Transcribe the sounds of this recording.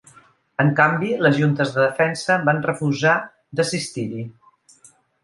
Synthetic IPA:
əŋkambiləzʒunt̪əzðəðəfɛnsəβanrəfuza | d̪əsist̪iɾi

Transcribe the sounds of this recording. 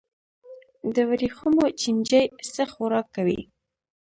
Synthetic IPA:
d̪əwaɾixumot͡ʃind͡ʒəjsəxʊɾɑkːawḭ

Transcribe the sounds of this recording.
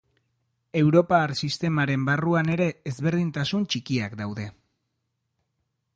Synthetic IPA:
e̞wɾo̞paːɾsist̪e̞maɾe̞mbaruane̞ɾe̞ːzβe̞ɾð̞int̪asunt͡ʃikiakd̪awðe̞

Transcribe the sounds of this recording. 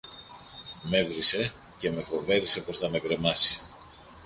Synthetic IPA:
me̞vɾise̞ | ceme̞fo̞ve̞ɾise̞po̞sθɐme̞kɾe̞mɐsi̥

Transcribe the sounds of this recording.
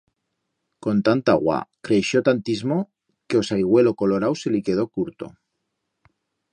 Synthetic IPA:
ko̞nt̪ant̪a̰ɣwa̰kɾeʃjot̪ant̪izmo | keo̞sajɣ̞we̞lo̞ko̞lo̞ɾawselike̞ð̞o̞kuɾt̪o̞̰

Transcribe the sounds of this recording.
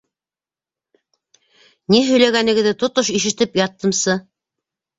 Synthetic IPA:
niɦɵ̆jlæɡænɘ̆ɡɘ̆ðɘt̪ŏt̪oʃiʃɘ̆t̪ɘpjɑt̪ːɤ̆msɤ

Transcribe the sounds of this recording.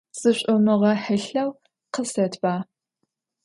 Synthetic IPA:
sʼɨɕʷʼʊmɨʁɐħɨɬɐw | qəsɐtʰb̥aː

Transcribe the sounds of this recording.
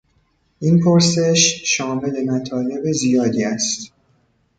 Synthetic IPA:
ʔinpʰoɾse̞ʃʃɒːme̞le̞mæt̪ʰɒːle̞be̞zijɒːd̪iːæst̪

